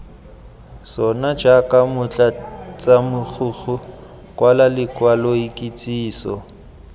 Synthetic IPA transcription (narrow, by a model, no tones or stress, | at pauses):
sɔnad͡ʒakʼamʊt͡ɬʼat͡sʼamʊk͡xʰuɣʰʊ | kʼwalalɪkwalɔikʼit͡sʼiːsɔ̰